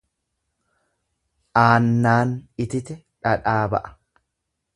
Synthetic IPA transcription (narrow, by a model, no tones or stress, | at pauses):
ʔaːnːaːnɪt̪ɪt̪ɛ | ᶑɐᶑaːbɐ̰ʔɐ̥